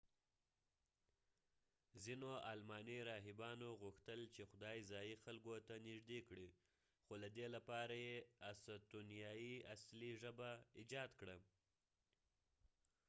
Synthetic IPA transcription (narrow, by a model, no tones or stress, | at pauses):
zinoɑlmɑneɾɑɦɪbɑnoɣuxt̪əlt͡ʃexʊd̪ɑjizɑjixalɡot̪anɪʒd̪ekɽi | xolad̪elapɑɾajeasat̪unijɑjiasliʒəbaid͡ʒɑd̪kɽa